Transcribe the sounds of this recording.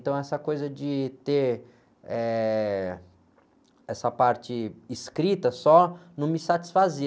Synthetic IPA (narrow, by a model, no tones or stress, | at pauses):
ẽt̪ɐ̃w̃ɛsɐkojzɐd͡ʒɪt̪eɾ | ɛ | ɛsɐpaɾt͡ʃɪːskɾit̪ɐsɔnɐ̃w̃mɪsat͡ʃi̥sfazi